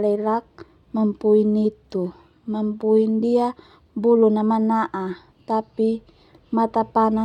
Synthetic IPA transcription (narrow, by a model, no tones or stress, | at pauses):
lɛɾak̚ | mampuinit̪u | mampuindia | bulunamanaʔa | t̪api | mat̪apana